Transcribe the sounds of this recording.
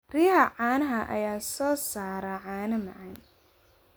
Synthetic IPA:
rijɐɦɐʕɑːnɐɦɐʔɐ̰jaːsɔːsaːɾɐʕɑːnɐmɐʕɑn

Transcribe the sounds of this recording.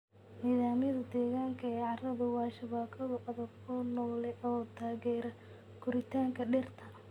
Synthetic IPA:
niːðaːmjɐðɐd̪ɛːɣaːŋkʰɐɛːʕɑrɐβɐwɑːʃɐβaːkʰɐɣɐʔɐðɐbkʰɔnɔːlɛʔɔːt̪ʰaːɣɛːɾɐ | kʰʊɾɪt̪ʰaːŋkʰɐɖɛrt̪ʰɐ

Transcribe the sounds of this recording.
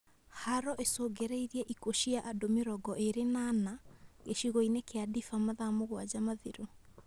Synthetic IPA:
haɾɔʔesoːɡɛɾɛiɾiɛʔikoʃiaʔadomeɾɔɡɔʔeɾenaːnaɣeʃiɣoinekeadifamaðamoɣwad͡ʑamaðiɾo

